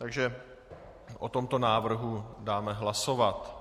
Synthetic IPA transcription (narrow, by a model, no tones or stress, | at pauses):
t̪aɡʒɛ | ʔot̪omt̪o̞naːvr̩ɦudaːmɛɦlaso̞vat̪